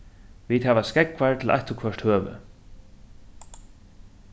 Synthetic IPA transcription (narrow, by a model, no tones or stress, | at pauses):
viːt̪hɛːvaskɛkvaɹt̪ʰɪlʔa̰jht̪əkʰœʂt̪høːvʏ̰